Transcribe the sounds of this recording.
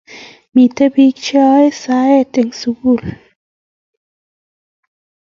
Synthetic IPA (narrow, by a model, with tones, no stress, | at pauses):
mi˨t̪ə˦bi˧˦k̚t͡ʃɔ˦jsa˧˦e˧˨t̪e˨ŋsu˧ɡu˨l